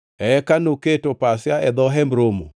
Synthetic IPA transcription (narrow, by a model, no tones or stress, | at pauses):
ɛɛkanoketopasɪaɛd̪ɔɦɛmɾomo̰